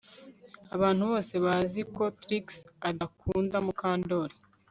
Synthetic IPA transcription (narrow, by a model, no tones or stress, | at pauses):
aβaːnhuβo̞ːse̞βaziko̞tɾiksadakʰuːndamukaːndo̞ːɾi